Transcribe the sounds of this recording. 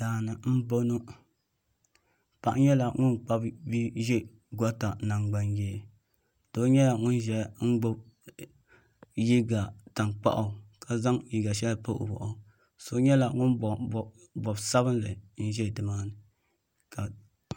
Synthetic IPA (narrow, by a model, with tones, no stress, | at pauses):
daː˨nɨ˨m̩˦bo˦nu˦ | pa˨ʔɲɛ˦la˨ŋʊ˦nk͡pa˦bbi˦ʒɛ˦ | ɡɔ˦ta˨na˨ŋɡ͡ba˦njɛ˦˨ | d̥o˦ɲɛ˦la˨ŋʊ˦nʒɛ˦˨ŋ̩˦ɡ͡bo˦b | ji˦ɡa˨ta˨ŋk͡pa̰˦ʔa˨ka˨za˦ŋji˨ɡa˨ʃ̬ɛ˦lpo˦ʔo̰˨bɔ̰˨ʔʊ˨ | so˦ɲɛ˦la˨ŋʊ˦n˨ | bɔ˨bsa˦bɨ˦nlɨ˨n̩˦ʒɛ˦˨dɨ˨maː˦nɨ˨ | ka˨